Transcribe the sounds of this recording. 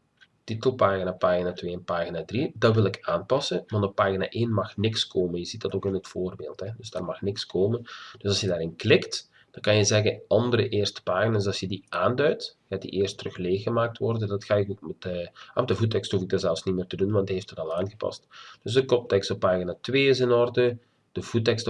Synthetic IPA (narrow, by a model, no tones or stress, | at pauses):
titəlˠpaːɣinaːpaːɣinaːtweːɛnpaːɣinaːdridɑtʋɪlˠɪkʰaːnpɑsəʋɑntɔpːaːɣina̰ːʔeːnmɑxnɪkskʰoːmənjəzit̚dɑtoːkɪnətfoːrbeːlˠthɛdɵzdaːrmɑxnɪkskʰoːmənd̥øsɑlˠsjədaːɾɪnklɪkt | d̥ɑnkɑnjəzɛɣəɑndəɾəʔeːrstə̥paːɣinas̬ɑsjədiʔaːndœɥtxaːdḭʔeːrstrɵxleːxəmaːk̚tʋɔrdədɑtxaːɪkoːkmɛtəamɛdəvutɛksthuvɪɡ̚dɑnzɛlˠfsnimeːrtədunʋɑndieftətɑlˠaːnɣəpɑ̰std̥øsdəkɔp̚tɛkstɔpːaːɣinatʋeːɪs̬ɪnɔrdə | d̥əvutɛkst